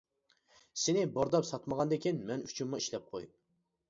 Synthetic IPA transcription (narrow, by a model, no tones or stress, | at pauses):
sɪnɪboɾd̪ɑpsɑt̪məʁɑnd̪ɪkʲinmɛny̥t͡ʃʰymːɑiʃlɛp̚qʰoj